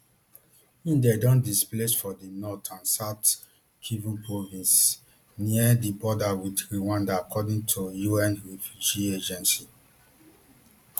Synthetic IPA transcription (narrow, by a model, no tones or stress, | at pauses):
ĩndɛdɔ̃ndisplesfɔdinɔtʰãnsat | kʰivupʰɹovĩns | niədibɔdawidɹiwãndaːkʰɔdĩŋtʰujuɛ̃nɹɛfjud͡ʒied͡ʒɛ̃nsi